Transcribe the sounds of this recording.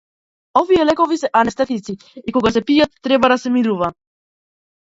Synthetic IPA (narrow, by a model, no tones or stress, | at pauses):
ɔvijɛlɛkɔvisɛʔanɛst̪ɛt̪it̪si | ikɔɡasɛpijat̪ːɾɛbad̪asɛmiɾuva